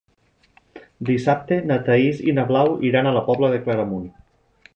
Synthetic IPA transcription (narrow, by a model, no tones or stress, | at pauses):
d̪isap̚t̪enat̪aizḭnaβlawiɾanalapɔβlaðeklaɾamun